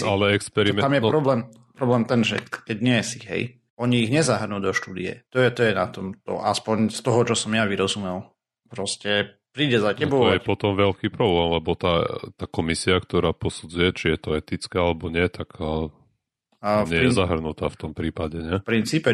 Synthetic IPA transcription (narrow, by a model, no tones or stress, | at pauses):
alɛɛkspɛɾimɛamjɛɾɔblɛːm | pɾɔblɛːmt̪ɛnʒɛ̰kɛɟɲɪɛsiɦɛ̰j | ɔɲiːɣɲɛzaɦr̩nud̪ɔʃt̪uːd̪ḭɛ̰t̪ɔjɛt̪ɔjɛnat̪ɔmt̪ɔ̰ʔaspɔɲst̪ɔɦɔt͡ʃɔsɔmjaʋiɾɔzumɛlˠ | pɾɔscɛ | pɾiːɟɛzacɛbɔɔjɛpɔt̪ɔmʋɛʎkiːpɾɔblɛːmlɛbɔt̪at̪aːkɔmisiakt̪ɔɾaːpɔsud͡zujɛt͡ʃijɛt̪ɔɛt̪it͡skɛalɛbɔɲɪɛt̪akə | ɲɪɛjɛzaɦr̩nut̪aːft̪ɔmpɾiːpaɟɛɲɛpɾint͡siːpɛ